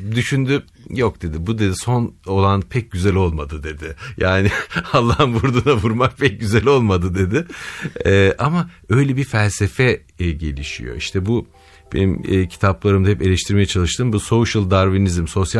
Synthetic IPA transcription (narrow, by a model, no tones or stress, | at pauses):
d̪yʃynd̪y | jok̚d̪e̞d̪ɪbud̪e̞d̪iso̞no̞lˠanpʰɛc̚ɟyzɛlʲo̞lˠmad̪ɯd̪e̞d̪ɪjaːnɪalˠːaɦɯnbuɾd̪unavuɾmak̚pʰɛc̚ɟyzɛlʲo̞lˠmad̪ɯd̪e̞d̪ɪɛːʔama | ø̞jlʲɛbiɾfælʲsefɛ | ɟe̞̰lʲiʃḭjo̞̰iʃt̪ʰɛbu | b̥ḛnimːcʰi̥t̪ʰaplˠaɾɯmd̪ahɛpe̞lʲɛʃt̪ʰiɾme̞jɛt͡ʃʰalˠɯʃt̪ʰɯmbuso̞ʃɯlˠd̪aɾvinizmso̞sja